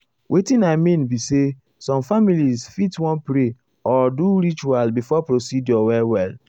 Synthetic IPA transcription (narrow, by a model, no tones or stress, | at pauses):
wʔetĩnaɪmĩnbise | sɔ̃mfamilizfitwɔ̃npɾe | ɔduɾit͡ʃualbifɔpɾosidjɔwɛwɛl